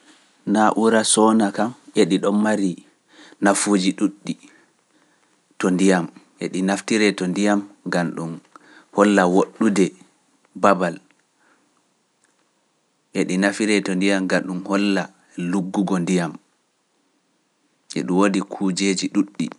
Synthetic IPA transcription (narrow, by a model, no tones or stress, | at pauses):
naʔuɾasɔnakamʔeɗiɗɔmːaɾi | nafud͡ʒiɗuɗːi | tɔndijamʔɛ̰ɗinaftiɾɛtɔndijamŋɡanɗum | hɔlːawoɗːudɛ | babal | ʔɛɗinafiɾɛtɔndijamɡaɗumhɔlːa | luɡːuɡɔndijam | ʔɛ̰ɗumwodikʰuːd͡ʒeːd͡ʒiɗuɗːi